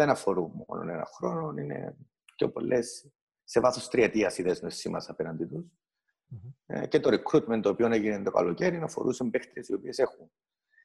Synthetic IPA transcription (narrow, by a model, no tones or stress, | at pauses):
enɐfo̞ɾummo̰no̰nḛnɐ̰xɾo̞nonine̞̰ | co̞̰po̞̰lːʔesː | evɐθost̪ɾiet̪iɐsiðeznesːimɐ̰sɐpenɐnd̪it̪us | cet̪oɾikɾut̪ment̪oːpioneʝinent̪okɐ̰loceɾinɐfo̞̰ɾusembext̪ɾiesio̞pie̞se̞xun